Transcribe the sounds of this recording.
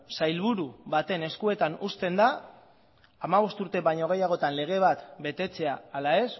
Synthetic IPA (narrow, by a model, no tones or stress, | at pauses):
sajlβuɾuβat̪e̞ne̞skue̞t̪anust̪e̞nd̪aː | maβ̞o̞st̪uɾt̪e̞βajɲo̞ɣ̞e̞jaɣ̞o̞t̪anle̞ɣ̞e̞β̞at̪be̞t̪e̞t͡se̞aːlae̞s